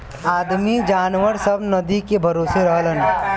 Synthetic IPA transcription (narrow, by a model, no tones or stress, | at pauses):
aːd̪mid͡ʒaːnʋəɾsɐbnɐd̪ikebʱɐɾoːseɾəɦələn